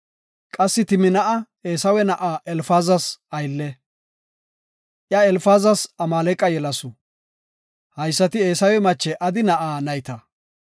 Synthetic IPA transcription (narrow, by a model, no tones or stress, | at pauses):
kʼɐsːɪt̪ɪmɪnɐʔɐ | eːsɐwɛnɐʔaːʔɛlfaːzɐsɐjlːɛ | ʔjɐɛlfaːzɐsɐmaːlɛkʼːɐjɛlɐsɔ | hɐjsːɐt̪ɪe̞ːsɐwɛmɐt͡ʃːɛʔɐd̪ɪnɐʔaːnɐjt̪ɐ